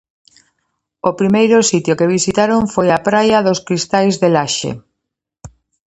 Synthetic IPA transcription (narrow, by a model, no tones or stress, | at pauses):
opɾimejɾʊsit̪jokeβ̞isit̪aɾoɱfojapɾajaðoskɾist̪ajzðelaʃḛ